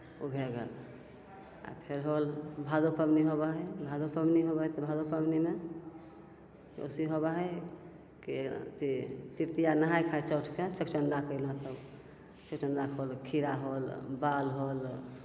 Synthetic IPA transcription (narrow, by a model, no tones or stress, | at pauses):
obʱeɡə̰l | a̰pʰeɾɦolbʱad̪opəbniɦobəɦəjbʱad̪opəmniɦobət̪bʱad̪opəmnime | o̰siɦobəɦəj | kit̪it̪iɾt̪ijanəɦajkʰajt͡ʃəwʈʰket͡ʃəkt͡ʃənd̪akəɪlat̪ə | t͡ʃəkt͡ʃənd̪akʰolkʰiɾaɦolbalɦol